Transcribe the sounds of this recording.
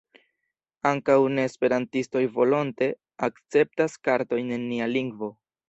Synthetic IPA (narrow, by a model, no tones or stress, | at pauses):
aŋkawne̞ːspe̞ɾantisto̞jvo̞lo̞nte̞ | akt͡se̞p̚taskaɾto̞jne̞nːialiŋɡvo̞